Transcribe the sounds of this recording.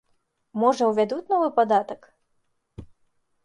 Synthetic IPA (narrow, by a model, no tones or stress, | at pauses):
mɔʐɐwvʲad̪ut͡sʲnɔvɨpad̪at̪ɐk